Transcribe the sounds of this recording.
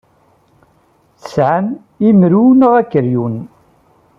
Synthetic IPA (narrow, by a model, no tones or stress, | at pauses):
θə̥sʕan | imɾunəʁækːəɾjun